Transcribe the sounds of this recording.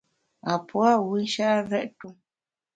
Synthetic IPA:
a˨pwa˦˨wi˦ʃa˦ɾɛ˦ʔtu˦

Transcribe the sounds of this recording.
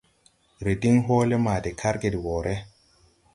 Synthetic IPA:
ɾe˨di˦ŋɦo˦le˦ma˨de˨kʰa˦ɾɡe˨di˨woː˨ɾʔe˦

